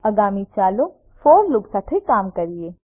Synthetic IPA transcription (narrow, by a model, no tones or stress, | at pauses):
ɐɡaːmit͡ʃaːlo | foːɾlʊɡsaːt̪ʰekaːmkɐɾieː